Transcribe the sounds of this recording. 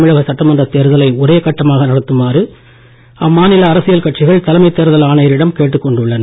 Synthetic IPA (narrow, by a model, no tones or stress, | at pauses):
mɪɻɐɣɐsɐʈːɐmɐndrɐt̪ːeːɾɯðɐlɐɪɔɾeːkɐʈːɐmaːɣɐnɐɽɐt̪ːɯmaːrɯ | ɐmːaːnɪlɐːɾɐsɪjɐlkɐʈt͡ʃɪɣɐɭt̪ːɐlɐmɐɪt̪ːeːɾɯðɐlaːnɐjɐɾɪɽɐmkeːʈːɯkːɔɳɖɯɭːɐnɐ